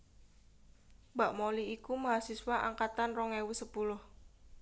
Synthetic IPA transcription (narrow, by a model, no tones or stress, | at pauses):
b̥aʔmoliːkumaɦasiswaʔa̰ŋkat̪anrɔŋewusəpulʊh